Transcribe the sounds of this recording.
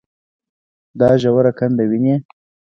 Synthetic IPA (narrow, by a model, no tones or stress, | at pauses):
d̪ɑʒawaɾakand̪awine